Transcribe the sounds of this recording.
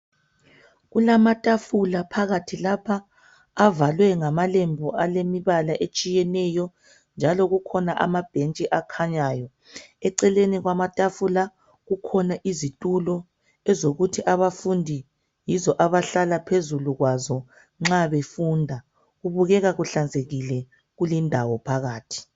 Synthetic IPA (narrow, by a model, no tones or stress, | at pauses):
ɣulamatʼafulapʰaɣatʰilapʰaː | valwɛŋamalembʱɔʔalemiβalaʔet͡ʃʼijɛnɛjɔ | nd͡ʒʱalɔɣukʰɔnaʔa̰mab̥ʱent͡ʃʼiʔakʰaɲaːjɔ | ɛǀɛleniɣwamatʼafula | ɣukʰɔnaʔizitʼulɔ | ɛzoɣutʰiʔaβafundʱi | jizɔʔaβaɬalapʰezuluɣwazɔ | ŋ͡ǁaβefundʱa | ɣuβuɣɛɣaɣuɬand͡zʱeɣilɛ | ɣulindʱawɔpʰaɣaːtʰi̥